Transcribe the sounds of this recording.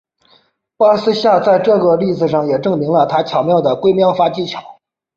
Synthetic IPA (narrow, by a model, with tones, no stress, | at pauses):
pə˥sɹ̩˥ɕja˥˧t͡sa˥˧ɪʈ͡ʂɤ˥˧˩ɡə˧li˥˩d͡zɹ̩˨˩ʂɑ˥˩ŋjɛ˨˩ʈ͡ʂɤ˥˩ŋmi˧˥ŋlə˧t̪ʰa˥t͡ɕʰjɑ˨˩ʊmjɑ˥˩ʊd̪ə˩kwe˥ɪmjɑ˥ʊfa˥t͡ɕi˥˩t͡ɕʰjɑ˨˩˦ʊ